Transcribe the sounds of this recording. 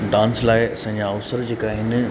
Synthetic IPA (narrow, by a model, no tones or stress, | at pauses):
ɖãːnslaːɪɐsãːɲd͡ʑaːʋsəɾd͡ʑeːkaːɦɪn